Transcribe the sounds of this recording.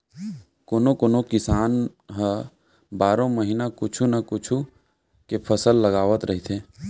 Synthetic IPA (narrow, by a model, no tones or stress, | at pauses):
koːnokoːnokɪsaːn | ɦə | baːɾõməɦinakʊt͡ʃʰunakʊt͡ʃʰu | kepʰəsəlːəɡaːʋət̪ɾəɦit̪ʰeː